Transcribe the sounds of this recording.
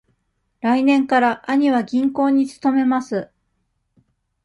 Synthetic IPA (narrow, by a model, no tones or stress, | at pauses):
ɾainẽ̞ŋkaɾaʔaɲ̟iβaɡʲĩŋko̞ːɲ̟it͡sɨ̥t̪o̞me̞masɨ